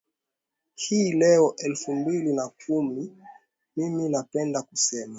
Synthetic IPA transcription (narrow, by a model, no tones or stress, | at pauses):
hiːlɛɔʔɛlfumbilinakʰumi | miminapɛndakusɛma